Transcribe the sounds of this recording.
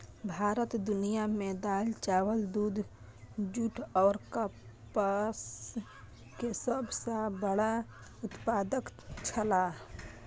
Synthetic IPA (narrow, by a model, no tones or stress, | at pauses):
bʱaɾət̪d̪unijamed̪alt͡ʃawəld̪ud̪ | d͡ʒuʈʰɔʊɾkəpəs | kesəbʱsə̃bəɽa | ut̪pad̪əkt͡ʃʰəla